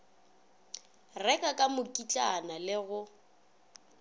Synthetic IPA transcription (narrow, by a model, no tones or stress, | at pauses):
rɛkʼakʼamʊkʼit͡ɬʼanalɪɣʊ